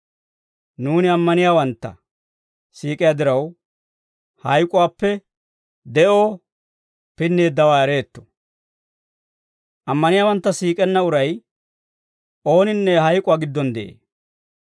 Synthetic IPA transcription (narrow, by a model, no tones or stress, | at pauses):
nuːnɪɐmːɐnɪjaːwɐnt̪ːɐ̰ | siːkʼɪjaːd̪ɪɾɐw | hɐjkʼʊwaːpːɛ | d̪ɛʔo̞ː | pɪnːeːd̪ːɐwaːɛɾe̞ːt̪ːɔ̥ | ʔɐmːɐnɪjaːwɐnt̪ːɐsiːkʼɛnːɐʊɾɐj | o̞ːnɪnːɛɦɐjkʼʊwaːɡɪd̪ːɔnd̪ɛʔḛː